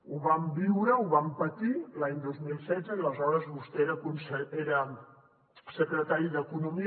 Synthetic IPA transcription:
uβambiwɾəuβampət̪ilaɲd̪ozmilˠsɛdd͡zəiləzɔɾəzβust̪eeɾəkunsəeɾə | səkɾət̪aɾiðəkunumi

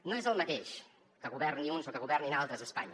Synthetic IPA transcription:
noezəlˠmət̪eʃ | kəɣuβɛrniunzokəɣuβɛrninalˠt̪ɾəzəspa̰ɲ

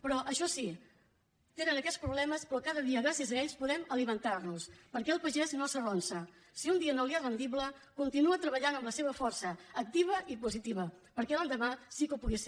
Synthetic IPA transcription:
pɾɔʔəʃɔsi | t̪enənəkɛspɾuβlɛməspɾɔkaðəðiəɣɾasiəzəeʎspuðɛməlimənt̪arnuspəɾkɛəlˠpəʒɛznosəronsə | siund̪iənoliarənd̪iβlə | kunt̪inuət̪ɾəβəʎanəmləseβ̞əfɔrsəːk̚t̪iβ̞əʔipuzit̪iβ̞ə | pəɾkɛlənd̪əmasikupuɣes

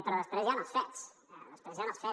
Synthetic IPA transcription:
pɾɔləst̪ɾɛzjanasfɛsləst̪ɾɛzjanasfɛ

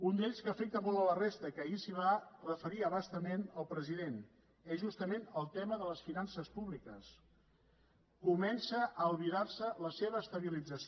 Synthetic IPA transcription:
und̪eʎʲskəfɛk̚t̪əmolˠələrest̪əkəisiβ̞arəfəɾiəβast̪əmenəlˠpɾəziðen | ɛzʒust̪əmenəlˠt̪ɛməðələsfinansəspuβlikəs | kumɛnsəʔəlˠβiðaɾsələseβ̞əːst̪əβ̞ilid͡zəs

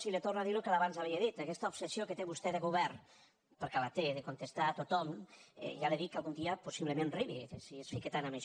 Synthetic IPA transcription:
silet̪oɾnaðiɾukalaβanzaβɛeðit̪akɛst̪aopsesijoket̪eβust̪ɛðeɣuβɛɾn | pəɾkalat̪eðekont̪est̪aːt̪ot̪ɔmɛ̰ʒaleðikːalˠɣund̪iɐposiβlemẽnriβisiesfiket̪anameʃ

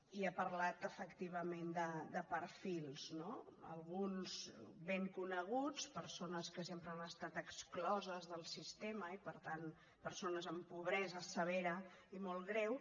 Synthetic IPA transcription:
iapəɾlat̪əfəkt̪iβ̞əmend̪əd̪əpəɾfilˠznoə̰lˠɣunzβeŋkunəɣut͡spəɾsonəskəsempɾəanəst̪at̪əksklɔzəzðəlˠsist̪eməipəɾt̪an | pəɾsonəzəmpuβ̞ɾɛzəsəβ̞eɾə | imɔlˠɣɾɛw

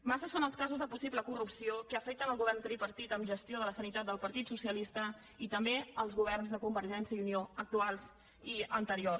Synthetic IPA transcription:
masəsonəlˠskazuzðəpusibləkurupsiokəəfɛk̚t̪ənəlˠɣuβɛrnt̪ɾipəɾt̪it̪əmʒəst̪ioðələsənit̪at̪̚d̪əlˠpəɾt̪it̪susiəlist̪ə | it̪əmbeəlˠzɣuβ̞ɛrnzðəkumbəɾʒɛnsjəiunioək̚t̪ualˠz | iənt̪əɾio

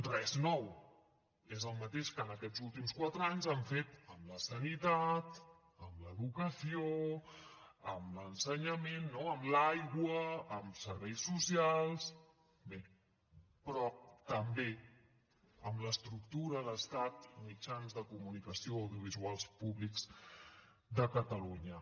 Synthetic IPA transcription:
rɛznɔw | ezəlˠmət̪eʃkəːnəkɛd͡zulˠt̪imskwat̪ɾəaɲzaɱfet̪əmləsənit̪at̪ | əmləðukəsio | əmlənsəɲəmenːoəmlajɣwəːmsəɾβɛjsːusialˠs | be | pɾɔt̪əmbe | əmləst̪ɾuk̚t̪uɾəðəst̪at̪mid͡ʒanzðəkumunikəsioəwðjuβ̞izualˠspuβlikz̥ | d̪əkət̪əluɲə

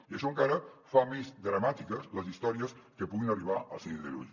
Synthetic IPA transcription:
ieʃoŋkaɾɐfamezd̪ɾamat̪ikəzləzist̪ɔɾjəskepuðinariβaa̰lˠsinðḛlṵʎ

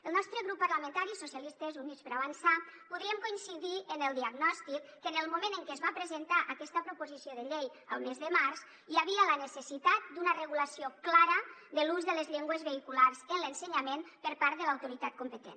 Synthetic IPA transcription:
əlˠnɔst̪ɾəɣɾupːaɾləmə̃nt̪aɾisusjalist̪əzunispəɾaβansapuðɾiəmkuinsiðiʔənəlˠd̪iaɡnɔst̪ikːənəlˠmumẽnəŋkeəzβapɾəzənt̪aʔəkɛst̪əpɾupuzisioðəʎej | əlˠmezðəmaɾs | jaβ̞iələnəsəsit̪at̪̚d̪unərəɣuləsioklaɾəðəluzðələzʎeŋɡwəzβeikulaɾzənlənsəɲamenpəɾpaɾt̪ðəlawt̪uɾit̪at̪̚kumpət̪ḛn

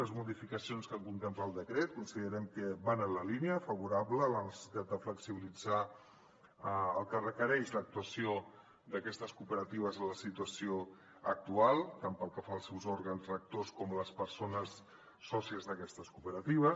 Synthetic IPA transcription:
əzmuðifikəsionskəŋkunt̪ɛmpaəlˠd̪əkɾɛt̪̚kunsiðəɾɛmkəbanənləliniəfəβuɾablələnəsə̥si̥t̪at̪̚d̪əfləksiβilid͡za | əlˠkərəkəɾɛʃlək̚t̪uəsio | d̪əkɛst̪əskupəɾət̪iβ̞əzələsit̪uəsio | ək̚t̪ualˠt̪ampəlˠkəfaəlˠsɛwzɔɾɣənzreək̚t̪oskɔmləspəɾsonəsː | ɔsiəzðəkɛst̪əskupəɾət̪iβə

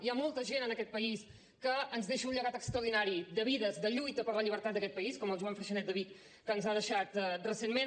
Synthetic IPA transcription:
iamɔlˠt̪əʒenənəkɛt̪̚pəis | kəːnzðeʃəunɲʎəɣat̪əkst̪ɾəwð̞inaɾid̪əβiðəzd̪əʎujt̪əpəɾləʎiβ̞əɾt̪at̪d̪əkɛt̪̚pəiskɔməlˠʒuaɱfɾəʃənɛt̪d̪əβikː | ənzaðəʃat̪rəsenme

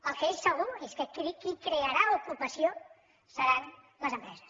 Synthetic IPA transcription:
əlˠkəesːəɣ̞ueskət̪uðikikɾeəɾaukupəsio | səɾan | ləzəmpɾɛzəs

